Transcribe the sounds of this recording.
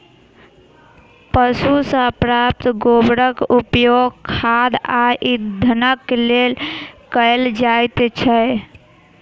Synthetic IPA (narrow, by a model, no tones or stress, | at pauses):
pəsusə̃əpɾap̚t̪ɡobɾəkupjoɡkʰad̪aʔid̪ʱənəkːlelkəjld͡ʒajt̪t͡ʃʰəj